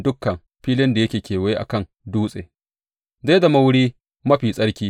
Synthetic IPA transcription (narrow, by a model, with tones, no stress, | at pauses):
dʊ˦kːɐ˨m | ɸiː˦lɪ˦nda˨jɐ˦kʲeː˨kʲeː˨wɐ˦je˦ʔa̰˨kɐ˦˨ŋ | duː˦sʼḛː˨ | za˦da˨mɐ˦wʊ˦ɽiː˦ | mɐ˦ɸiː˨sʼɐ˦ɽkʲiː˦